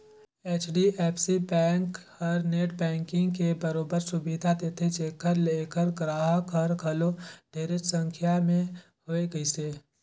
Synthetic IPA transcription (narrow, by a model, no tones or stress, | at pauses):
eːt͡ʃʰɖiʔeːpʰsibɛ̃ːŋk | ɔɾneːʈbɛ̃ːŋkɪ̃ŋɡkebəɾoːbəɾsʊbid̪ʱat̪et̪ʰet͡ʃeːkəɾleːkəɾɡɾaːɦəkʰɔɾkʰɐloɖ̥ʱeːɾet͡ʃsə̃ŋkʰjamẽ | hoːeɡəiseː